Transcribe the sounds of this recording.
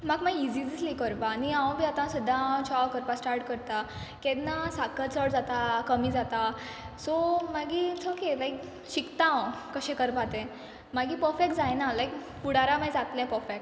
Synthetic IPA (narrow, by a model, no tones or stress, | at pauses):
maɡmaɡid͡zid͡zislikəɾpaːniãw̃bʱiːat̪ãsud̪ʱːãt͡ɕʰɔkəɾpasʈaɾʈkəɾt̪a | kɛd̪nasakəlt͡səɽd͡zat̪akəmiːd͡zat̪a | somaɡit͡sʰokelajk | ɕikt̪ãwkəɕẽkəɾpat̪ẽ | maɡipəɾfek̚d͡zajnalajk | puɽaɾamajd͡zat̪lɛ̃pəfek̚